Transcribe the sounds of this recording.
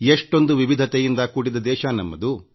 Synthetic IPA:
eʂʈo̞nd̪uʋiʋid̪ʱɐt̪ejind̪ɐkuːɽid̪ɐd̪ɛːʃɐnɐmːɐd̪u

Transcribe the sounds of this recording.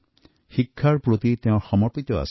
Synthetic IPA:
xikʰːaɹpɾot̪it̪eʊ̃ɹxɔmɔɹpit̪ɔa̰s

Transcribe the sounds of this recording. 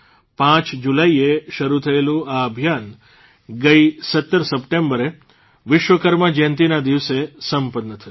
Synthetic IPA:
pãt͡ʃd͡ʒulaieʃəɾut̪ʰəelũaəbʱjan | ɡəisət̪ːəɾsəpʈẽmbəɾe | ʋɪʃʋəkəɾmad͡ʒənt̪inad̪iʋsesəmpənːət̪ʰəu

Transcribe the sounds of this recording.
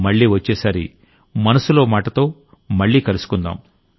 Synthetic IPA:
mɐɭːiːʋɐt͡ʃːeːsɐɾḭ | mɐnɐsulo̞ːmaːʈɐt̪o̞ː | mɐɭːiːkɐlusu̥kund̪a̰ːm

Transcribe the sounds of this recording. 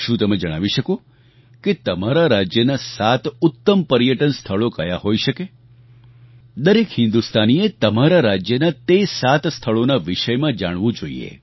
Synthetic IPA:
ʃũt̪əmed͡ʒəɽ̃a̰ʋiʃəko | ket̪əmaɾaɾad͡ʒjənasat̪ʊt̪ːəmpəɾjəʈənst̪ʰəɭokəjaɦojʃəke | d̪əɾekhɪ̃nd̪ust̪aniet̪əmaɾaɾad͡ʒjənat̪esat̪st̪ʰəɭonaʋɪʃəjmãd͡ʒaɽ̃ʋũd͡ʒoḭḛ

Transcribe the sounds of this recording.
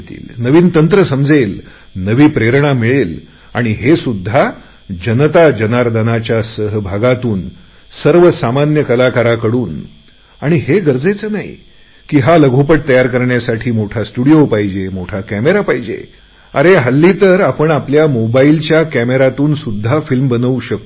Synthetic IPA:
t̪ḭːlnəʋiːnt̪ənt̪ɾəsəmd͡zel | nəʋiːpɾeɾɳ̃amiɭel | a̰ɽ̃iɦesud̪ʱːa | d͡ʑənət̪ad͡ʑənaɾd̪anat͡ɕjasəɦbʱaɡat̪uːn | səɾʋəsamanjəkəlakaɾakəɽuːn | aɽ̃iɦeɡəɾd͡zet͡sənaɦḭ | kiːɦaləɡʱupəʈ̚t̪əjaɾkəɾɳjasaʈʰiːmoʈʰasʈuɽijopaɦid͡ʑemoʈʰakæmeɾapaɦid͡ʑḛ | ə̰ɾeɦəlːit̪əɾapəɳapljamobailt͡ɕjakæmeɾat̪uːnsud̪ʱːafilmbənəʋuɕək̚t̪o

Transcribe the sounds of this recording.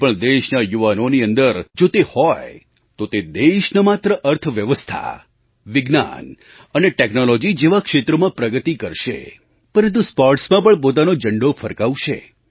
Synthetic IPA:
pəɳd̪eʃnajuʋanoniənd̪əɾd͡ʒot̪ehɔje | t̪ot̪ed̪eʃnəmat̪ɾəʔəɾt̪ʰʋjəʋəst̪ʰa̰ | ʋɪɡna̰n | əneʈeknolod͡ʒid͡ʒeʋakʃet̪ɾəmãpɾəɡət̪ikəɾʃḛ | pəɾə̃nt̪uspɔɾʈsmãpəɳp̬ot̪̬anod͡ʒəɳɖofʰəɾkaʋuʃḛ

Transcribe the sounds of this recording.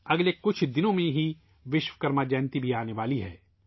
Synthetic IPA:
ɐɡlekʊt͡ʃʰd̪ɪnõmẽɦi | ʋɪʃwəkɐɾmad͡ʒɛːnt̪ibʱiaːneʋaːliɦɛ̰ː

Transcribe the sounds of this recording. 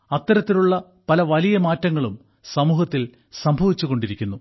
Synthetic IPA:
ɐt̪ːɐɾɐt̪ːiluɭːɐ | pɐlɐʋɐlijɐmaːtːɐŋːɐɭum | sɐmuːhɐt̪ːil | sɐmbʱɐʋit͡ɕːuɣo̞ɳɖiɾikʲːunːu

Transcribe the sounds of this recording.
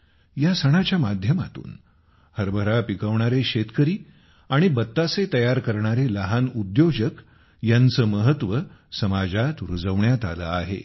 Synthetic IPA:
jasəɽ̃at͡ɕjamad̪ʱjəma̰t̪ṵːn | həɾbʱəɾapikəʋɳaɾeɕet̪kəɾiː | aɽ̃ibət̪ːaset̪əjaɾkəɾɳaɾeləɦanud̪jod͡ʑək | jant͡səːməɦət̪ʋəsəmad͡zat̪ɾud͡zəʋɳjat̪a̰lə̰aɦḛ

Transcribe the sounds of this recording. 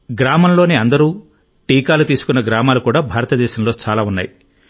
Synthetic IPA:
ɡɾaːmɐmlo̞ːneːɐnd̪ɐɾuː | ʈiːkaːlut̪iːsu̥kunːɐɡɾaːmaːlukuːɽaːbʱaːɾɐt̪ɐd̪ɛːʃɐmlo̞ːt͡ʃaːlaːunːa̰ːji

